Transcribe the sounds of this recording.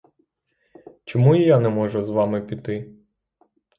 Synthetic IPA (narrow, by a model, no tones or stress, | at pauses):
t͡ʃɔmuijanɛmɔʒʊzʋɑmɪpʲit̪ɪ